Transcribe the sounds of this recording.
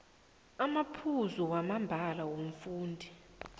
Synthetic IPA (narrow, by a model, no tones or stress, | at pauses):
amapʰuzuwamambʱalawom̩fuːndʱi